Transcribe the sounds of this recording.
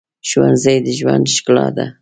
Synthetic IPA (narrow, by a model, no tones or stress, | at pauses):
ʃwanzajd̪ɪʒwand̪ʃklɑ̰d̪a